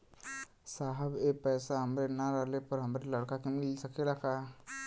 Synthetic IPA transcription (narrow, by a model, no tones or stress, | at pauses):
saːɦəbepɛːsaɦɐmɾenaɾaɦlepəɾɦɐmɾelɐɽkakemɪlsəkelaka